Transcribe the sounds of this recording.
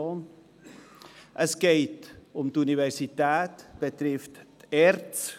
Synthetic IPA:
ɑn | ʔəskɛjtɔmdəyniværsitæːtb̥ətrɛftærts

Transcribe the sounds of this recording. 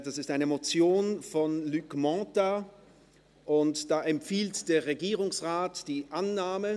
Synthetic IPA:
d̥asɪstaɪnəmot͡sjoːnfɔnlykmɔ̃ːta | ʔʊntd̥aːʔɛmfiːltd̥eːɐʁeɡiːʁʊŋsʁaːtd̥iːʔanːaːmə

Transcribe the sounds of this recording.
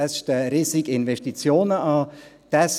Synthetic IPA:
sʃtəɾiːsiɡɪnʋɛʃtit͡sjoːnəʔɑː | d̥ɛs

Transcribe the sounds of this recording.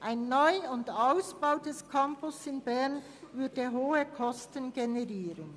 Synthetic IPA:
ʔaɪnːɔʏʊndaʊsb̥aʊdɛskʰampʊsɪnbɛʁn | vʏɐdəɦoːəkʰɔstənɡenɛʁiːɾən

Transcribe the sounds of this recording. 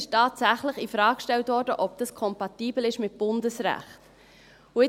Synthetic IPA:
ɪʃtɑːtsæχləχifɾɑːkʃtɛltʋɔɾdəʔɔbd̥ɑskʰɔmpɑtiːbl̩ɪʃmɪt̚b̥ʊndəsɾæ̰χt̪ | ʊɪ

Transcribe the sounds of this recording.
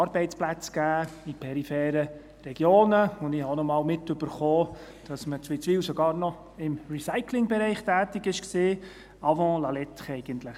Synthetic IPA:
ɑɾbɛɪtt͡splæt͡sɡ̥æːipʰɛɾifɛːɾə | ɾɛɡ̥joːnəʊndɪhɑnɔmɑːlmɪtɵb̥əɾχoː | d̥ɑsmət͡sʋit͡sʋiːwsɔɡɑːɾnɔ | ɪmrisaɪkʰlɪŋbɛɾɛɪχtæːtɪɡɪʃksiː | ɑvɔ̃lɑlɛt̪χɛɪɡ̥ənt̪ləχ

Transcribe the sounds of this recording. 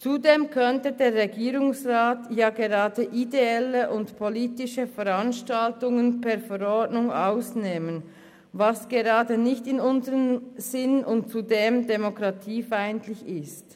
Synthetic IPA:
t͡sudeːmkʰœntədeːʁʁeɡiːɾʊŋsʁaːtjaːɡeʁaːdəʔideɛləʔʊntpʰoliːtɪʃəfɛʁanʃtaltʊŋənpʰɛɐfɛʁɔdnʊŋaʊsneːmən | vasɡ̥eʁɑːdənɪçtɪnʊnzəʁənz̥ɪnʊnt̚t͡sudeːmdemokʁatʰiːfaɪntʰlɪçɪst

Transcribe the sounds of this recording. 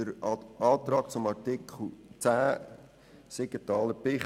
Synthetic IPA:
əɾɑːt̪rɑːk̚t͡sʊmɑɾtɪkʰl̩t͡sæː | seɡətɑːləpɪχ

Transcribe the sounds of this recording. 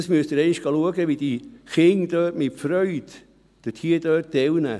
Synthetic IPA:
smyəst̪əɾɛɪɪʃɡ̥ɑluəɡəʋid̥iχɪŋd̥œːtmɪtfɾœʏt | d̥ətʰhiːədœːt̚dɛwnə̰

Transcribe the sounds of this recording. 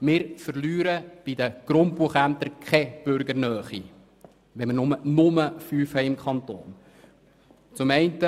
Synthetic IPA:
mɪːɾfəɾlyːɾəb̥id̪əɡ̥ɾʊntpuəχæmt̪əɾkʰχɛb̥ʏɾɡəɾnœːχi | ʋɛmənʊmənʊməfyːfhɛɪɪmkʰχɑnt̪o̰ːn | t͡sʊmɛɪntə

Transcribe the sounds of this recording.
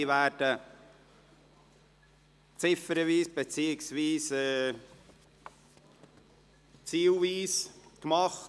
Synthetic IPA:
iʋæːɾd̥ə | t͡sɪfəɾəʋiːsb̥et͡siːɪksʋiːsɛ | t͡siːlʋiːskmɑχ

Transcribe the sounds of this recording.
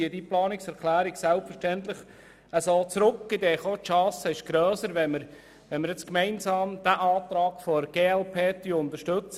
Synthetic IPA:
iədiplɑːnɪksɛɾkʰlæːɾɪɡsɛlpfəɾʃtɛnt̪lɪχ | əsoːt͡sɾʊkːɪd̪ɛːχot̪ʃɑːsəɪʃɡ̥ɾœːsəɾʋɛnməɾ | ʋɛnməɾjɛt͡skmɛɪnsɑːmd̪̥æʔɑːt̪ɾɑːɡfɔɡ̥eːɛlpʰeːt̪yʊnt̪əʃtɵt͡s

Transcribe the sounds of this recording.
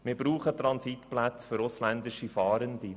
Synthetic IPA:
mɪːɾbɾuːχət̪ɾɑnsit̪plæt͡sføɾʊslænd̪ɪʃifɑːɾənd̪i

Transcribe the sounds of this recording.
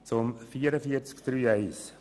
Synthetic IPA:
t͡sʊmfiːəɾəfiəɾt͡skd̪̥ɾyːɛɪs

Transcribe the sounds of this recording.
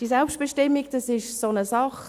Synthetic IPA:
d̥isɛlpʃt̚b̥eʃtɪmːiɡd̥ɑsɪʃsonəsɑχ

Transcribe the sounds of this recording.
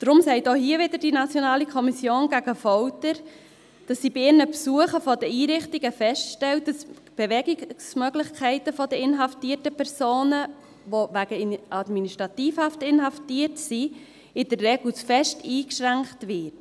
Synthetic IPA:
d̥ɾʊmsɛɪtohiəʋɪd̪əɾdinɑt͡sjɔnɑːlikʰɔmisjoːnɡæɡəfɔwtəɾ | d̥ɑsːiːbɪɪnəpsuəχəfɔdəiːɾɪχtiɡəfɛstʃtɛltdɑs | b̥eʋɛɡismœɡlɪχkʰɛɪtəfɔdəɪnɦɑftiːtəpʰɛɾsoːnə | ʋoʋæɡ̥əʔɑd̪miniʃtɾɑtiːfhɑftɪnɦɑftiətsi | ɪd̥ərːɛɡlsfɛʃtiːkʃɾæŋktʋɪt

